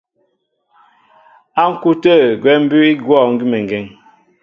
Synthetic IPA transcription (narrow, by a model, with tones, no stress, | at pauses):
a˦ŋ̩˦ku˦tə˦˨ɡwɛ˨˦m̩˦bʉ˦i˦ɡwɔ˦˨ŋ̩˦ɡi˦mɛ˨ŋ˨ɡɛ˨ŋ